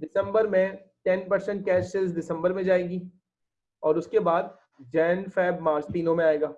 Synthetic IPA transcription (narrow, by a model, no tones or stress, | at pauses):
ɖɪsə̃mbəɾmẽ | ʈɛnpɐɾsə̃ɳʈ̚kɛːʃɪlzɖɪsə̃mbəɾmẽd͡ʒaːeːɡiː | ɔːɾʊskebaːd̪̚ | d͡ʒɛːnfɛːbmaːɾt͡ʃt̪iːnõmẽaːeːɡaː